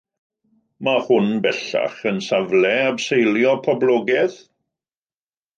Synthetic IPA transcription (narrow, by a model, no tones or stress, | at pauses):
mahʊnbɛɬa̰χənsavlɛabsejljɔpʰɔblˠɔːɡɛð